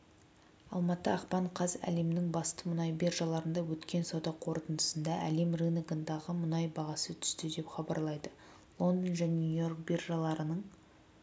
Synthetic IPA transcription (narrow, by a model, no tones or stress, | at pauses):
ɑ̰lˠmɑt̪əɑqpɑɴqʰɑzæ̰le̞mnɪŋbɑst̪əmʊnɑjbe̞rʒɑlˠɑɾənd̪ɑwɵt̪kʲe̞nsɑwd̪ɑqʰo̞ɾt̪ənd̪ə̥sənd̪ɑʔæ̰le̞mrinɡənd̪ɑʁəmʊnɑjbɑʁɑsət̪ʰʏ̥st̪ɪd̪e̞pχɑbɑ̰ɾlˠɑjd̪ə | lˠo̞nd̪onʒænʲnujo̞rk̚bʲerʒɑlˠɑɾənəɴ